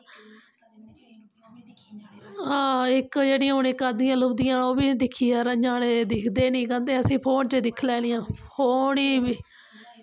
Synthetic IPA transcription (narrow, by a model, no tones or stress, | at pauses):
ɦãːɪkd͡ʒeːɽiːãːɦonẽːkad̪ijãːlʊbd̪ijãːoːbiːd̪ɪkʰːiːaːɾəɲd͡ʒaːned̪ɪkʰd̪eːnĩːkə̃nd̪eːəsĩːpʰoːnt͡ʃed̪ɪkʰlɛːlɪjãːpʰoːɳiːbiː